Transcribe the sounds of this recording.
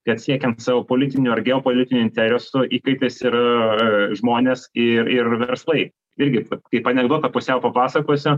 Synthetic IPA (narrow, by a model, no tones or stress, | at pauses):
kɐt̪sʲiɛkʲɛnt̪sɑːʋopoːlʲɪt̪ʲɪnʲʊɐrɡʲɛopoːlʲɪt̪ʲɪnʲʊɪnʲt̪ʲɛɾʲɛsʊʔiːkɐɪt̪ɐɪsɪɾ | ʒmoːnʲeːsɪrɪrʋʲɛɾslˠɐɪ | ɪɾʲɡʲɪt̪ɐkɐɪpːɐnʲɛɡd̪oːt̪ɐpʊsʲɛʊpɐpɑːsɐkoːsʲʊ